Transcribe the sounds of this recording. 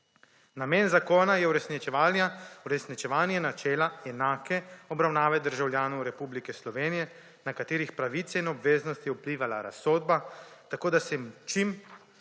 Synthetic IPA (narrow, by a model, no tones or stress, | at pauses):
nameːnzakoːnajɛuɾɛsnit͡ʃɛʋaljauɾɛsnit͡ʃɛʋaːnjɛnat͡ʃɛːlaɛnaːkɛɔbɾawnaːʋɛd̪əɾʒawljaːnɔwɾɛpublikɛslɔʋeːnijɛ | nakat̪eːɾixpɾaʋit̪sɛinɔbʋeːznɔst̪jɛupliːʋala̰ɾa̰sːoːd̪̚bat̪akoːd̪asɛt͡ʃim